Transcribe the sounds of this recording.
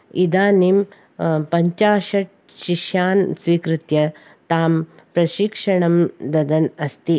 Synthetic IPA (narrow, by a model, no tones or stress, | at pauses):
id̪aːnim | pɐɲt͡ʃaːʃɐʈ̚ | ʃiʃjaːnsʋiːkɾɪt̪jɐ | t̪aːm | pɾɐʃikʂɐɳɐmd̪ɐd̪ɐnɐst̪i